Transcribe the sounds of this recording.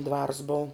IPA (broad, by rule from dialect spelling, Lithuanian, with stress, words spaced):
ˈdʋɐrs boːʊ